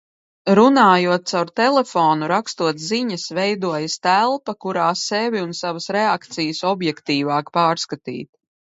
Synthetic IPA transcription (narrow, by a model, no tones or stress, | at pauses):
ɾunaːjuɔt̪̚t̪sawɾt̪ɛlɛfɔːnuɾakst̪uɔt̪ziɲəsvɛjd̪uɔjəst̪ælˠpɐkuɾaːsɛvʲiunsavəsɾɛakt̪sijəsɔbjɛkt̪iːvaːkpaːɾskat̪ḭːt̪̚